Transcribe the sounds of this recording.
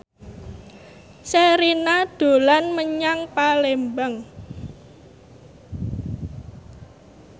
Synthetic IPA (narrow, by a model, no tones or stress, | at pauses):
seɾinad̥o̤lanməɲaŋpalembəŋ